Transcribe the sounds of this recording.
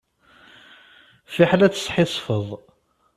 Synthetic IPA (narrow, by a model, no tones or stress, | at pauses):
fiħlæt͡sːsˤħɪsˤfəðˤ